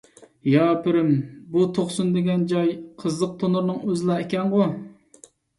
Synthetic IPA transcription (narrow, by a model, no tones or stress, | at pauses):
jɑpɪɾɪmbut̪ʰoχsund̪ɪɡʲɛnd͡ʒɑjqʰəzlˠəq̚t̪ʰonuɾnɨŋøzlˠɛːekʲɛnʁʊ